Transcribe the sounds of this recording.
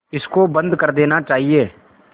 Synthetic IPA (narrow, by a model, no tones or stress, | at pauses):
ɪskobə̃nd̪kəɾd̪eːnat͡ʃaːɦieː